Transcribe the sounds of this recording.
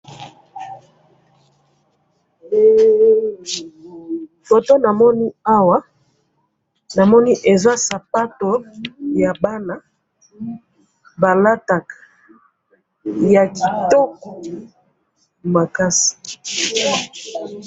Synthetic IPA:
fo˨to˦na˨mɔ˦ni˦a˦wa˦ | na˨mɔ˦ni˦ʔe˨za˦sa˨pa˦to˨ja˨ba˦na˨ | ba˨la˦ta˨ka˨ | ja˨ki˨to˦kɔ˨ | ma˨ka˦si̥˨

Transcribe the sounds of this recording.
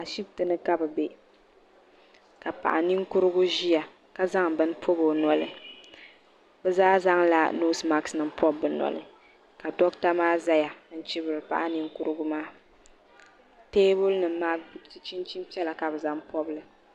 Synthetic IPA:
a˨ʃi˦b̚tɨ˨nɨ˦ka˦bɨ˨be˨ | ka˨pa̰˨ʔa˨ni˦ŋku˦ɾɨ˦ɡu˦ʒi˦ja˨ | ka˦za˦ŋbɨ˦n˦pʰo˦bo˨nɔ˨lɨ˨ | bɛ˦zaː˦za˦ŋla̰˨no˦sma˦ksnɨ˨m̩˦pɔ˦bːɨ˨nɔ̰˨lɨ̰˦ | ka˨dɔ˦kta˦maː˦za˦ja˨˦n̩˦t͡ʃi˦bɨ˨ɾɨ˨pa̰˨ʔa˦ni˦ŋkʊ˦ɾɨ˦ɡʊ˦maː˦ | teː˦bʊ˦lnɨ˨m˦maː˦tt͡ʃi˦nt͡ʃi˦m˦pi˦ɛ˦la˨ka˨bɨ˨za˦ŋpɔ˦bɨ˦lɨ˨

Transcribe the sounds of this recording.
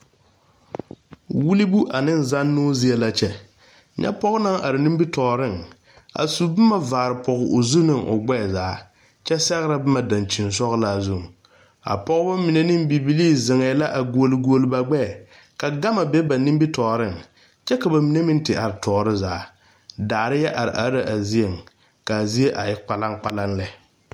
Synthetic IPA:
wu˦li˦bu˦ʔa˨nɪ˦nza˦nːoː˦zi˦ɛ˦la˦t͡ʃɛ˦ | ɲɛ̰˦pɔ˦ɣʊ˦na˦ŋʔa˨ɾɪ˨ni˦mbi˦tɔː˨ɾɪ˦˨ŋ | a̰˨su˨bɪ˦ma˦˨vaː˨ɾɪ˨pʰɔ˨ɣʊ˨ʊ˨zu˦nɪ˦˨ŋʔʊ̰˨ɡ͡bɛ˦˨zaː˨˦ | t͡ʃɛ˦sɛ˦ɣɾa˦bɨ˦ma˨da˨nt͡ʃi˨ns̬ɔ˦ɣla˦˨zu˦˨ŋ˨ | a̰˨pɔ˦ɣʊ˦ba˦mi˨ne˦nɪ˦mbi˨bi˦liː˦˨zɪ˨ŋɛ˨˦la˦ʔa˨ɡu˦o˦lɡu˦o˦lɨ˦ba˦ɡ͡bɛ˦˨ | ka˨ɡa˦ma˨bɛ˦ba˨ni˦mbi˦tɔː˨ɾɪ˦ŋ | t͡ʃɛ˦ka˨ba˨mi˨ne˦mɪ˦n˦tɪ˨ʔa˨ɾɪ˨tʰɔː˨ɾɪ˦zaː˨˦ | daː˨ɾɪ˦jɛ˦ʔa˨ɾɪ̰˨ʔa˨˦ɾa˨ʔa˨zi˦e˨ŋ | ka˨zi˦e˦ʔa˨jɪ˦k͡pa˨la˦ŋk͡pa˦la˦nlɛ˨

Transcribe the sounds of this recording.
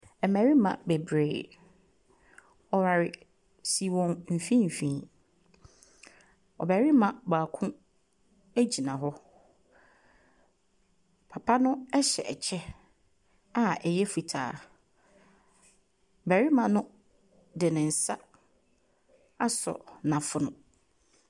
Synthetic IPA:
ɛ˨mæ˨ɾi˦mã̰˨bɛ˨bɾeː˨ | ɔ˨wa˨ɾɪ˨ | si˨wɔ̃˨ŋm̩˨fĩ˦m̩˨fĩː˨˦˨ | ɔ̰˨bæ˨ɾɪ˦mã˨baː˨kʰʊ̃˦ | æ˦d͡ʑi˨nã˨ɦɔ˦ | pʰa˨pʰa˦nʊ̃˦ɛ˦ɕɛ̰˨ɛ˨t͡ɕʰɛ˦ | a˨ɛ˨jɛ˦fu˨tʰa̰ː˨ | bæ˨ɾɪ˦mã˨nʊ̃˦ | dɪ˨nɪ̃˨n̩˨sa̰˦ | a˦sɔ̰˨nã˨fʊ˦nʊ̃˨

